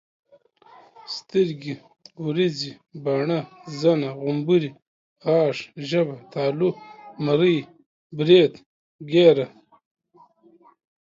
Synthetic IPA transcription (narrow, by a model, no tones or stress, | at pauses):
st̪iɾɡi | uɾizi | baːɳazanaʁumbuɾi | ɑːʂʒɐbat̪aːlumaɾij | bɾeːt̪ | ɡeːɾa